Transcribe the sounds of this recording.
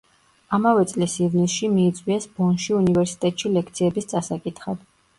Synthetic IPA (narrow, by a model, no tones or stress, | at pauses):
amavɛt̪sʼlisivnisʃimiːt̪sʼwiɛsbɔnʃiunivɛɾsi̥t̪ʼɛt̪ʼʃilɛkʰt̪sʰiɛbist̪sʼasakʼit̪ʰχad̪̥